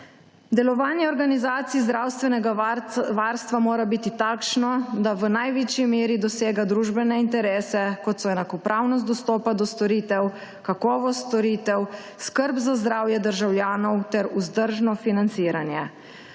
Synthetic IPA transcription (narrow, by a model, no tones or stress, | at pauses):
d̪ɛlɔʋaːnjɛɔɾɡanizaːt̪siːzd̪ɾaːwst̪ʋɛnɛɡaʋaːɾst̪ʋamoːɾabit̪it̪aːkʃnɔd̪aʋənajʋit͡ʃimeːɾid̪ɔseːɡad̪ɾuːʒbɛnɛint̪ɛɾeːsɛkɔt̪sɔɛnakɔpɾʔaːwnɔs̬t̪ɔst̪ɔːpad̪ɔst̪ɔɾiːt̪ɛw | kakɔːʋɔst̪ɔɾiːt̪ɛw | skəɾbzazd̪ɾaːwjɛd̪əɾʒawljaːnɔwt̪ɛɾuzd̪əɾʒnɔfinant̪siːɾanjɛ